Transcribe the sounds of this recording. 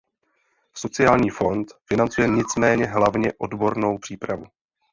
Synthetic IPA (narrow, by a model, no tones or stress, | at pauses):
so̞t͡sɪjaːlɲiːfo̞nt̪fɪnant͡sujɛɲɪt͡smɛːɲɛɦlavɲɛʔo̞̰dbo̞ɾno̞wpr̥iːpɾavu